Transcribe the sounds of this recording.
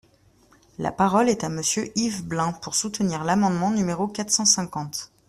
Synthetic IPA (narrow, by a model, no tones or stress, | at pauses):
la̰paʁɔlɛt̪aməsjøʔivblɛ̃puʁsut̪niʁlamɑ̃d̪mɑ̃nymeʁokat̪χsɑ̃sɛ̃kɑ̃t̪